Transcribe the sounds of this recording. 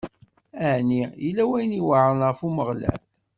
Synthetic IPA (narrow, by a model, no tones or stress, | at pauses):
əʕnijəlːæwæjniwəʕənʁəfuməʁlæ̰θ